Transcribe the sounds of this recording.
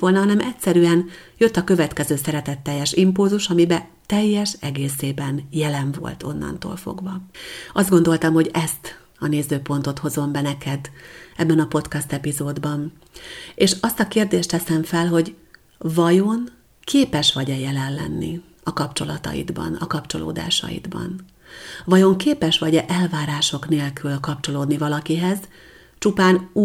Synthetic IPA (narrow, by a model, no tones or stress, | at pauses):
ʋo̞lnɒɦɒnɛmɛcʲsɛɾyɛnjøt̪ːɒkø̞vɛt̪kɛzøːsɛɾɛt̪ɛt̪ːɛjːɛʃimpulzuʃɒmibɛ | t̪ɛjːɛʃɛɡeːseːbɛnjɛlɛɱvo̞̰lt̪o̞nːɒ̰nt̪o̰ːlfo̞̰ɡvɒɒzd̪ɡo̞nd̪o̞lt̪ɒmho̞ɟɛst̪ | ɒneːzøːpo̞n̪t̪o̞t̪ho̞zo̞mbɛnɛkʰɛd̪ɛbːɛnɒpo̞t̪kɒst̪ɛpizoːd̪bɒn | eːʃɒst̪ɒkeːrd̪eːʃt̪ɛsɛɱfɛlɦo̞ɟ | vɒjo̞n | kʰeːpɛʃʋɒɟɛjɛlɛllɛ̰nːḭ | ɒkɒpt͡ʃo̞lɒt̪ɒ̰jḭd̪bɒ̰nɒ̰kɒpt͡ʃo̞̰lo̰ːd̪a̰ːʃɒ̰jḭd̪bɒ̰n | vɒjo̞ŋkeːpɛʃʋɒɟɛʔɛlvaːɾaːʃo̞kneːlkylkɒpt͡ʃo̞loːd̪nivɒlɒkiɦɛz | t͡ʃupaːnuː